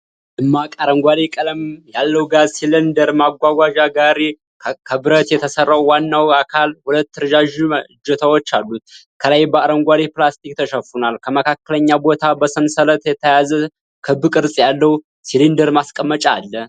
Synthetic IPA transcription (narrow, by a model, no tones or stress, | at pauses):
ʔɨmːakʼaɾəŋɡʷaɾekʼələmjalːəwɡazsilənd̪əɾmaɡʷaɡʷaʒaɡaɾe | kʰəbɨɾət̪jɛt̪ʰəsərːawwanːawakʰalhulət̪ːɨɾʒaʒid͡ʒɛt̪ʰəwot͡ʃːalːut̪̚ | kʰələjbəaɾəŋɡʷaɾeplast̪ʰik̚t̪ʰəʃəfunalkʰəməkʰakːələɲːabo̞t̪ʰabəsəmsələt̪jɛt̪ʰəjazə | kʰɨbɨkʼɨɾsʼjalːəwu | silind̪əɾmaskʼəmːət͡ʃʼa̰lːə